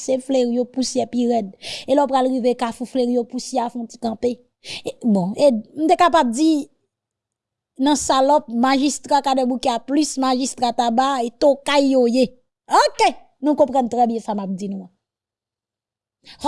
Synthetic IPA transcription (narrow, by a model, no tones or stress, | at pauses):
sefleɣijopusjɛpiʁɛdelɔpɣalɣivekafufleɣijopusjeafɔ̃t͡si̥kãpe | bɔ̃em̩̃t̪̬ekapab̚d͡zi | nɐ̃salɔ̃p̚maʒist̪ʁakadɛ̃bukeaplysmaʒist̪ʁat̪abaet̪okajːoje | oke | nũkɔ̃pʁɐ̃nt̪ʁɛbjɛ̃samap̚d͡zinũã